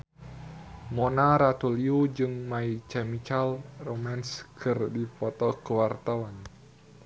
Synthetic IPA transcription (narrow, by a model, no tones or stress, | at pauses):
monaɾat̪uliud͡ʒɨŋmait͡ʃɛmit͡ʃalromɛnskʰərdipɔt̪ɔkəwart̪awan